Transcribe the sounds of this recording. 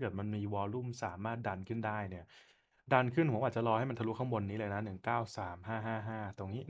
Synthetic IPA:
kɤ˨˩t̪̚ma˧nmiː˧wɔː˧lu˥˩msaː˩˦maː˥˩t̪̚da˧nkʰɯ˥˩ndaː˥˩jni˦˥˩ɐ | da˧nkʰɯ˥˩nhu˨˦ʔaː˨˩t͡ɕa˨˩lɔː˧ha˥˩jma˧nt̪ʰu˦˥kʰa˥˩ŋwo˧nːiː˦˥lɤː˧jna˦˥nɯ˨˩ŋkaː˥˩wsaː˩˦mɦaː˥˩ɦaː˥˩ɦaː˥˩t̪o˧ŋniː˦˥

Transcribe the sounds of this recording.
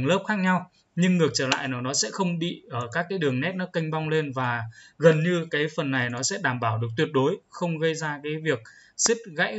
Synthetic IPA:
ŋlə˦˥p̚xaː˦˥k̚ɲa˧w | ɲɨ˧ŋːɨ˨˩ək̚t͡ɕəː˧˩la̰ː˧˨jnaː˨˩wnɔ˨˦sɛ̰˧˥xə˧wŋ͡mɓḭ˧˨ʔəː˧˩kaː˦˥kːaː˨˦jɗɨ˨˩əŋnɛ˦˥t̚nɔ˨˦kə˧jŋ̟ɓa˧wŋ͡mle˧nvaː˨˩ɣə˨˩nɲɨ˧kaː˨˦jfə˨˩nːa˨˩jnɔ˨˦sɛ̰˧˥ɗaː˧˩mɓaː˧˩wɗɨ˨˩ək̚t̪wi˨˩ət̚ɗo˨˦jxə˧wŋ͡mɣə˧jzaː˧kaː˨˦jvi˨˩ək̚si˦˥t̚ɣa̰˧˥j

